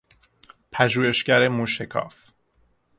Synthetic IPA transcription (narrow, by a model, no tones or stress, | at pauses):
pʰæʒuːhe̞ʃcæɾe̞muʃekʰɒ̰ːf